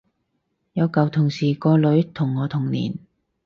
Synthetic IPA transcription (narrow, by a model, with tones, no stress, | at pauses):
jɐ˨˧wkɐ˨wt̪ʰʊ˨˩ŋsiː˨˩kɔː˧lɵ˨˥ɥt̪ʰʊ˨˩ŋːɔː˨˧t̪ʰʊ˨˩ŋnḭː˨˩n